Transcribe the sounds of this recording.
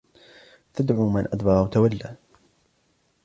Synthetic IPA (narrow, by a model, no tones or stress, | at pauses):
t̪ad̪ʕuːmanʔad̪bɑɾˤawat̪awalːaː